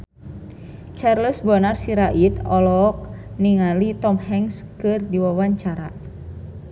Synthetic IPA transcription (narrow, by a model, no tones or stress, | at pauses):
t͡ʃarləsbanarsiɾaʔit̪ɔlɔk̚niŋalit̪ɔmhɛŋskɨrdiwawaɲt͡ʃaɾa